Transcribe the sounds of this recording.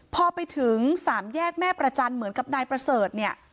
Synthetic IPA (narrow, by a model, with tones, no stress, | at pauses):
pʰɔː˧pa˧jt̪ʰɯ˩˦ŋsaː˩˦mjɛː˥˩k̚mɛː˥˩pɾa˧t͡ɕa˧nmɯ˩˦ənka˨˩p̚naː˧jpɾa˧sɤː˨˩t̪̚ni˥˩ə